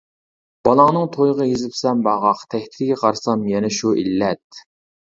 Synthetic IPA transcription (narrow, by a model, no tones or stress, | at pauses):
b̥ɑlˠɑŋnɨŋt̪ʰojʁɑjezɪpsɛmbɑʁɑqt̪ʰɛhʲt̪ʰɪd̪ɪɡʲɛqʰɑɾsɑmjɛnɛʃuʔilːɛt̪̚